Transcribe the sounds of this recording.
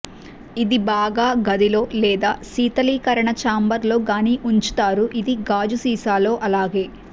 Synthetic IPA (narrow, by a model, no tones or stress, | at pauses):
id̪ibaːɡaːɡɐd̪ilo̞ːlɛːd̪aːsiːt̪ɐliːkɐɾɐɳɐt͡ʃaːmbɐɾlo̞ːɡaːniːʔuɲt͡ʃu̥t̪aːɾuʔid̪iɡaːd͡ʒusiːsaːlo̞ːʔɐlaːɡe̞ː